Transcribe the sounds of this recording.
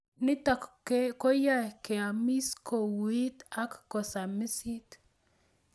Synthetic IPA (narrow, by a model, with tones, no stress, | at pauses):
nɪ˦t̪a˨kke˦kɔ˦ja˦ke˨a˨mi˦sko˨wi˦t̪a˦kːɔ˨sa˨mɪ˦si˦t̪